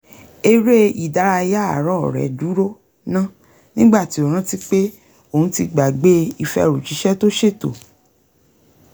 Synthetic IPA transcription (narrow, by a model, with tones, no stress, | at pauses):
e˦˧ɾe˦i˨da˨˦ɾa˧ja˦a̰˨ɾɔ̃˦ɔ˨ɾɛ̰˨du˨˦ɾo˦ | nã˦ | nĩ˦ɡ͡ba˦˨ti˨˦o˨ɾ̃ã˦ti˦k͡pe˦ | o˦˨ũ˨˦ti˧ɡ͡ba˨ɡ͡be˦i˧fɛ̰˧˦˧ɾu˨t͡ʃi˨˦ʃɛ˦to˦ʃe˦˨to̰˨